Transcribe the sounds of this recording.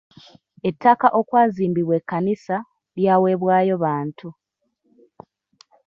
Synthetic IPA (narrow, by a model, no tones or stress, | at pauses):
e̞tːakaʔo̞kwaːziːmbiβwe̞kːanisa | βjaːwe̞ːβwaːjo̞βaːntʰu